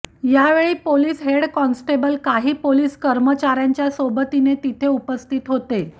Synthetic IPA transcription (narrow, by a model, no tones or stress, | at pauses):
jaʋeɭiːpoliːsɦeɽkɔnsʈebəlkaɦiːpoliːskəɾmət͡ɕaɾjaɲt͡ɕjasobət̪inet̪it̪ʰeupəst̪ʰiːt̪ɦot̪e